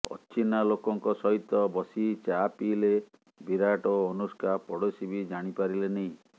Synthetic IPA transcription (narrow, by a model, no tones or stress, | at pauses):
ɔ̰t͡ʃinalokɔŋkɔsɔɦit̪ːɔbɔsit͡ʃapile | biɾaʈɔːnuskapɔɽɔsibid͡ʒaɽ̃ipaɾileneĩ